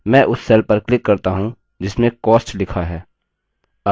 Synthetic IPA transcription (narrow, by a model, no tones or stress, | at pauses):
mɛ̃ːʔʊsːeːlpɐɾklɪkːɐɾt̪aɦũ | d͡ʒɪsmẽkɔːsʈlɪkʰaɦɛː